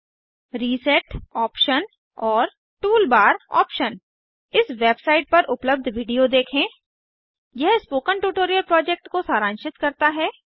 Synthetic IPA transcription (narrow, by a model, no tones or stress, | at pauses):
ɾiːsɛʈɔːpʃən | ɔːɾ | ʈuːlbaːɾɔ̰ːpʃən | ɪsʋeːbsaːɪʈ̚pɐɾʔʊpləb̚d̪ʱʋiːɖijod̪eːkʰẽː | jɛɦspoːkəɳʈuːʈoːɾijəlpɾɔːd͡ʒek̚ʈkosaːɾãːnʃɪt̪kɐɾt̪aɦɛː